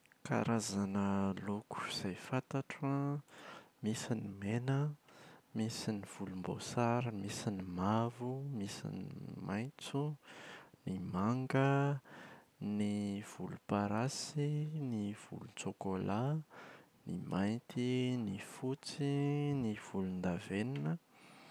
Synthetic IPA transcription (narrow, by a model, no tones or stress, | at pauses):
ka̰ɾazanəloku̥iz̥ajfat̪aʈ͡ʂa | misinimenə | misiniv̥ulumbo̰saɾimisinimavumisḭniimajnt͡su | nimaŋɡə | niv̥ulupaɾasiniv̥ṵlut͡sokola | nḭmajnt̪ʰinifut͡siniv̥ulund̪aveninə